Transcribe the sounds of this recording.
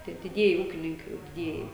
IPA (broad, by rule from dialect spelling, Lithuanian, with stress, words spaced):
ˈtʲiɛ dʲɪˈdʲiɛjɪ ˈuːkʲɪnʲɪŋkɐɪ jɛʊ dʲɪˈdʲiɛjɪ